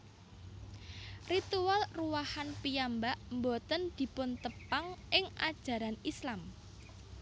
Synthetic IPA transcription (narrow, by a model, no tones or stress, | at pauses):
rit̪ualruwahanpijambaʔmbɔt̪ənd̪̥i̤pʊnt̪əpaŋʔɪŋʔad̥ʒ̥ä̤ɾanislam